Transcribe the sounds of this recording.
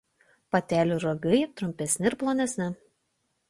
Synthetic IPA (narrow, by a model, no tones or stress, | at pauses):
pɐt̪ʲæːlʲuɾoɡɐɪt̪ɾʊmʲpʲɛsʲnʲɪɪɾplˠɔnʲɛsʲnʲɪ